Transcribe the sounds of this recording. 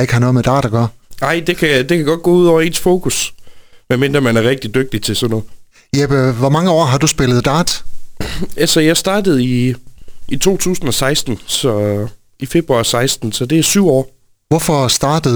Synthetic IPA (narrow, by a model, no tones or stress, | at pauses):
e̝ɡ̥əhɑnɔ̽ːmed̥ɑ̰̈ːd̥ɑɡ̥ɶɐ̰nɑ̈ɪ̰d̥e̝kʰæd̥e̝kʰæɡ̥ɒ̽d̥̚ɡ̥ɔ̰uðˠɒʊ̰ɐe̝ːnsfo̝ːkʰusmenmend̥ʁɐmænæɐʁɛɡ̥̚d̥id̥øɡ̥̚d̥it͡sʰe̝sɒnnɔ̽ːðˠ | jeb̥ʋɒmɑ̈ŋəɒ̰ːɦɑ̈d̥usb̥e̝lð̞̩ˠd̥ɑ̈ːd̥ | ælsɐjɑ̈ɪsd̥ɑ̈ːd̥əð̞̩ˠi | it͡sʰo̝̰ːt͡sʰṵːsn̩ɒ̽sɑ̈ɪsd̥n̩sɒ | ife̝b̥ʁuɑ̈sɑ̈ɪsd̥n̩sɒ̽d̥e̝æɐsyʊ̰ɒ̰ː | ʋɒfɒ̽sd̥ɑ̈ːd̥əð